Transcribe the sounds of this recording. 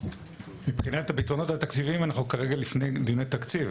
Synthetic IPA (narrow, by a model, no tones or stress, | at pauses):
mipχinat̪habit̪ʁono̞t̪hat̪akt͡sivimanaχnukaʁe̞ɡalifne̞jd̪inejt̪akt͡siv